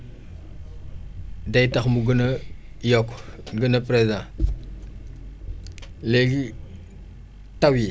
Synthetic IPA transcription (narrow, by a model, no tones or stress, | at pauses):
dajtaxmuɡənɐjɔkɡənapɾezã | leɡi | tawi